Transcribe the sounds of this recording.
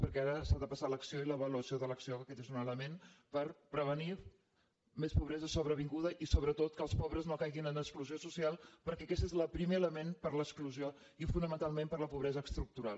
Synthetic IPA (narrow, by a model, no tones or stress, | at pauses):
pəɾkɛaɾəsaðəpəsaləksioiləβəluəsioðələksioəkɛt̪ezunələmenpəɾpɾəβ̞əni | mespuβɾɛzəsoβɾəβiŋɡuðəʔisoβɾət̪ot̪kəlˠspɔβɾəznokajɣinənəskluziosusialˠpəɾkɛəkɛst̪ezləpɾimeələmenpəɾləkskluzio | ifunəmənt̪alˠmempəɾləpuβɾɛzəːkst̪ɾuk̚t̪uɾalˠ